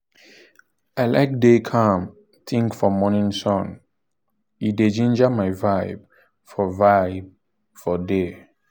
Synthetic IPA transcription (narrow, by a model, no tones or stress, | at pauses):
aɪlak̚dekʰãm | θʰĩŋkfɔmɔnĩnsɔ̃n | ided͡ʒĩnd͡ʒamaɪvaɪb̚ | fɔvaɪb̚ | fɔde